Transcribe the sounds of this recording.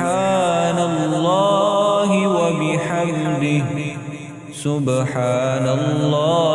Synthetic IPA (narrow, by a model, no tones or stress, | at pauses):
analːaːɦɪwabɪħamd̪ɪɦ | sʊbħaːnalːaː